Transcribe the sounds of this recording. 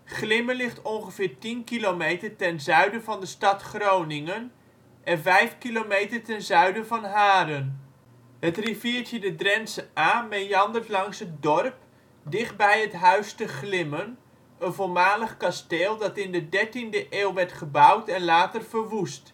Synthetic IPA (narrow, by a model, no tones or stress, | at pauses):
χlɪmənlɪχtɔnχəv̥ɪːɹtinkilowmejtərtɛnzœɥdəvɑndəstɑtχrownɪŋən | ʔɛnvɛjfkilomejtərtɛnzœɥdəvɑnɦaːdən | ɦətriviːɹtjədədrɛnsəaːmejɑndərtlɑŋsɦət̚dɔrp | dɪχd̚bɛjɦətɦœɥstəχlɪmən | ənvolˠmaːləχkasteːlˠdɑtɪndədɛɹtindəʔeːlˠʋɛɹtχəbʌwtɛnlaːtərv̥ərʋust